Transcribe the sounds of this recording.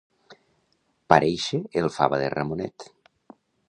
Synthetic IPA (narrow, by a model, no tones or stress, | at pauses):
paɾʔejʃeelˠfa̰βaðḛra̰munɛt̪